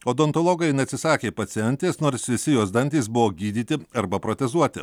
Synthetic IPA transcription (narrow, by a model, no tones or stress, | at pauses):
oːd̪ont̪oːlˠoːɡɐɪnʲɛɐt̪ʲsʲɪsɑːkʲeːpɐt̪sʲɪɛnʲt̪ʲeːsnoːɾsʋʲɪsʲɪjoːsd̪ɐnʲt̪ʲiːs̬bʊʋoːɡʲiːd̪ʲiːt̪ʲɪɐɾbɐpɾoːt̪ʲɛzuɔt̪ʲɪ̰